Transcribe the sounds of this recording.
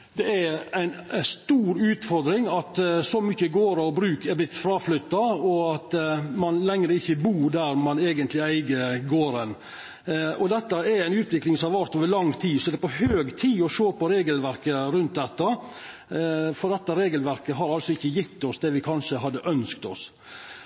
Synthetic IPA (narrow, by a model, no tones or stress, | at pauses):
d̪ɛæɾæɪnst̪uːɾʉːt̪fɔɾd̪ɾɪŋɑt̪sɔmʏçːəɡoːɾɑɔbɾʉːkɛblɪt̪ːfɾɑːflʏt̪ːɑɔɑt̪mɑnlɛŋɾəɪçːəbuːd̪æɾmɑneːɡənt̪lɪæɪɡəɾɡoːɾən | ɔd̪ɛt̪ːɑɛɾæɪnʉːt̪ʋɪklɪŋsɔmhɑɾʋæɾt̪oːʋəɭɑŋːt̪ʰiːsɔɛd̪ɛpɔhøːɡt̪ʰiːɔʂoːpɔɾeːɡəlʋæɾkəɾʉnt̪̚d̪ɛt̪ːɑ | fɔɾd̪ɛt̪ːəɾeːɡəlʋæɾkəɦɑɾɑlsɔɪçːəjɪt̪ːɔsd̪ɛʋɪkʰɑnʂəɦɑd̪ːəʔœnskt̪ɔ̰s